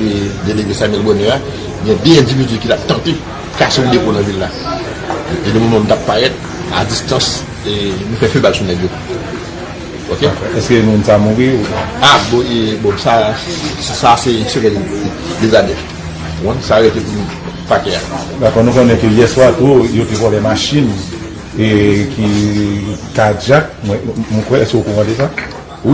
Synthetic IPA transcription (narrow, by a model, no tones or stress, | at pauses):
ed̪eleɡesamɛlbonɛa | ɡjɛ̃d̪øɛ̃d͡zivid͡zykitap̚t̪ãt̪e | kaseũdeponɐ̃vilːa | ʔedomomãm̩t̪apːaɣɛt̪̚ | a̰d͡zist̪ɐ̃s | enũfɛfebalsunɛɡjo | okekɔɛskønũmũnsamuʁiuabɔ̃ʔebɔ̃sa | sasɛsevɛl | dezadɛf | wɔ̃nsaɣet̪epunu | pakɛa̰ | dakɔnũkõnɛ̃køjɛswat̪ujot̪ekɔ̃lɛmaʃin | eki | kad͡ʒak̚mwɛmũkwɛɛskøokɔ̃pãtesa | wi